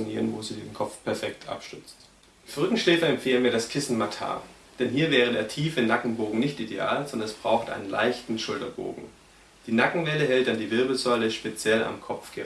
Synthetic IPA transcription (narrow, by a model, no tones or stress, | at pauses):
nḭːʁənvoːziːdenkʰɔpp͡fpʰɛɐfɛktʰʔa̰pʃtʏt͡st | fʁʏkŋ̩ʃlɛːfɐɛmfeːlənviːɐɾaskʰɪsn̩matʰa̰ː | d̥ɛnɦiːɐvɛːʁ̞ədḛːɐtʰiːfənakŋ̩boːɡŋ̩nɪçtʔidea̰ːlzɔndɐnɛsb̥ʁaʊxtʔa̰ɪnənla̰ɪçtn̩ʃʊltɐbo̰ːɡŋ̩ | d̥iːnakŋ̩vɛləɦɛlt̚d̥andiːvɪɐbl̩zɔʏləʃpet͡sjɛla̰mkʰɔpp͡fɡ̥ə